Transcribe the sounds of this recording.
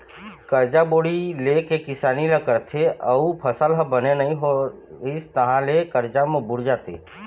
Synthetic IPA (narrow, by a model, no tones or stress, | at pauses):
kəɾd͡ʒaboːɽilekekɪsaːniləkəɾt̪ʰeʔəupʰəsəlɦəbənenəĩɦo | ist̪əɦãlekəɾd͡ʒamẽbʊɽd͡ʒaːt̪ḛː